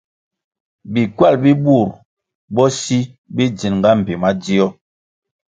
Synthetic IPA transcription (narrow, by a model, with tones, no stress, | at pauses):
bi˨kwa˦˨lbi˦bu˦˨ɾ | bɔ˦si˦ | bi˦d͡ʒi˨nŋ˨ɡa˦m̩˨pi˨ma˦d͡ʒi˦ɔ˦